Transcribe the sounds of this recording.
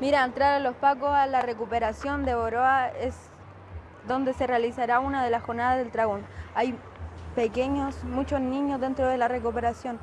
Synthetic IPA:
miɾaent̪ɾaɾelo̞spakosalare̞kupe̞ɾasjo̞nd̪e̞βoɾo̞ae̞s | d̪o̞nd̪e̞se̞realisaɾaunaðe̞lasxo̞ɾnaðazðelt̪ɾaɣonaj | pe̞ke̞ɲo̞smut͡ʃo̞sniɲo̞zðe̞nt̪ɾo̞ðe̞lare̞kupe̞ɾasjo̞n

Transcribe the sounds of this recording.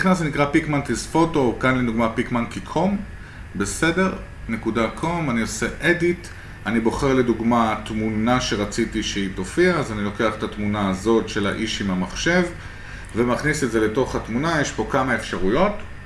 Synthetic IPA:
iχnasenikʁapikmantisfo̞to̞kanleduɡmapikmankikʰo̞m | be̞se̞de̞ʁ | ne̞kudakʰo̞manio̞se̞ʔedit | anibo̞χe̞ʁle̞duɡmatmunaʃe̞ʁat͡sitiʃeito̞fiaːzanilo̞ke̞aχetatmunaːzo̞tʃe̞la̰ʔiʃimhamaχʃe̞v | vemaχnisetdze̞le̞to̞χhatmunajeʃpo̞kamae̞fʃaʁujo̞t

